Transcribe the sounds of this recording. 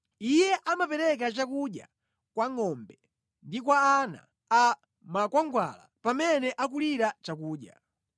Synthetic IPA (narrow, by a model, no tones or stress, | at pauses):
ijɛʔamapɛɾɛk̬at͡ʃakuɗja̰ | kwaŋɔmbɛ | ndikwaːna̰ | a | makwaŋɡwa̰la̰pamɛnɛʔak̬uliɾat͡ʃakuːɗja̰